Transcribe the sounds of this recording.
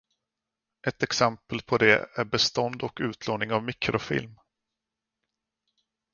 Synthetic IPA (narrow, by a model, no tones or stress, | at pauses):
ʔɛt̪ɛksɛmpəlpʰɔd̪ɛ̰æɾbɛst̪ɔnd̪ɔkʉ̟ːt̪ʰloːnɪŋavmɪkʰɾʔʊfɪ̰lm